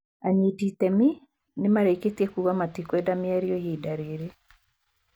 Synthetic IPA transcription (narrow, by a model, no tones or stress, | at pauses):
aɲititɛmi | nemaɾeiketiekuɣamatikwɛdamiaɾiojiːdaɾeɾe